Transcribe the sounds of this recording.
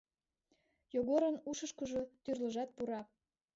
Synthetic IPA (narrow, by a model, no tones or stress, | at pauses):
joɣoɾənuʃəʃkəʒot̪yrləʒɑt̪̚puɾɑ